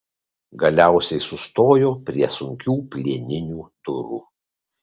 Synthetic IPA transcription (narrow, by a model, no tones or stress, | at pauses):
ɡɐlʲæˑʊsʲɛɪsʊst̪oːjoːpʲɾʲiɛsʊŋʲkʲuːpʲlʲiɛnʲɪnʲuːt̪ʊɾṵ